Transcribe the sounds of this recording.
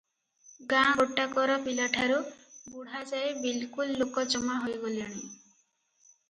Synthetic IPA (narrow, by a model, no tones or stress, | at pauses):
ɡãɡoʈːakɔɾɔpilaʈʰaɾubuɽ̤ad͡ʒajbilkulːokɔd͡ʒɔmaɦojɡoliaɽ̃i